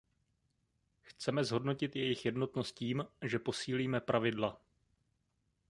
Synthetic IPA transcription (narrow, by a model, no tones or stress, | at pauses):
xt͡sɛmɛzɦo̞dno̞cɪt̪jɛjɪxjɛdno̞t̪no̞st̪̚ciːmʒɛpo̞siːliːmɛpɾʔavɪdla